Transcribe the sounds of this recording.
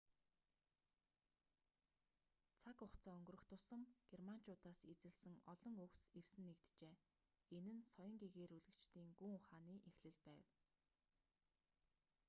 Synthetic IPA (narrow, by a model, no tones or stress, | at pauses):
t͡sʰakʊχt͡sʰaːɵŋɡɵ̆rɵ̆xt̪ʰʊsə̆mɡ̥erman̥t͡ɕʊːt̪aːset͡sɘ̆ɮsɘ̆ŋɔɮɞ̆ŋɵksew̥sɘ̆nːekt̪t͡ɕeː | enɘ̆nsɔjɞ̆ŋɡeɣeːɾuɮɘ̆kt͡ɕt̪ʰiːŋɡuːʊχaːniːʔexɮɘ̆ɮpæːw